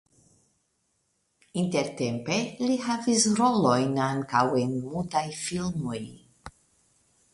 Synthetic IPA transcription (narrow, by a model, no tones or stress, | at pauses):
inteɾtempe̞lihavisɾo̞lo̞jnaŋkawenmultajfilmoj